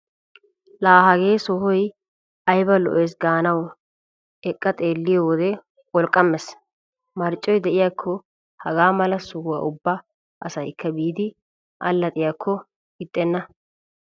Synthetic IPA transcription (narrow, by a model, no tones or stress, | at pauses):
laːɦɐɡe̞ːsɔhɔj | ʔɐjbɐlɔ̰ʔejs̬ɡaːnɐw | ɛkʼːɐt̪ʼe̞ːlːɪjɔwɔd̪ɛ | ɔlkʼːɐmːɛs | mɐɾt͡ʃʼːɔjd̪ɛʔɪjakʰːɔ | hɐɡaːmɐlɐsʊhʊwɐ̰ʔʊbːɐ | ʔɐsɐjkʰːɐbiːd̪ɪ | ʔɐ̰lːɐt̪ʼɪjakʰːɔ | ɡɪt̪ʼːɛnːɐ